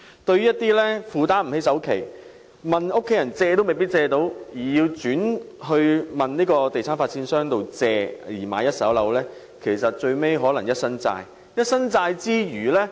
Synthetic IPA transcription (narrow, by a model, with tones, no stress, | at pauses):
t̪ɵ˧ɥy˥jɐ˥t̪iː˥lɛː˥fuː˨˧t̪aː˥nm̩˨˩he˥js̬ɐ˨˥wkʰe˨˩j | mɐ˨nʊ˥kʰːe˨˥jɐ˨˩nt͡sɛː˧t̪o˥wme˨jpi˥t̚t͡sɛː˧t̪o˨˥wjiː˨˩ji˧wt͡syː˨˥nɦɵ˧ɥmɐ˨nniː˥kɔː˧t̪e˨jsʰaː˥nfaː˧t̚t͡ssiː˨˥nsœː˥ŋt̪o˨wt͡sɛː˧jiː˨˩ma̰ː˨˧jɐ˥t̚sɐ˨˥wlɐ˨˥wlɛː˥ | kʰe˨˩jsɐ˨t̚t͡ʃɵ˧ɥme˥jɦɔː˨˥lɐ˨˩ŋjɐ˥t̚sɐ˥nt͡sa̰ː˧j | jɐ˥t̚sɐ˥nt͡saː˧jt͡siː˥ɥyː˨˩lɛː˥